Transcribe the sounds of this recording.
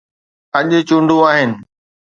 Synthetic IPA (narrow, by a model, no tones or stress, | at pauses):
ɐʄʊt͡ɕũːɳɖʱuaːɦɪnɪ̆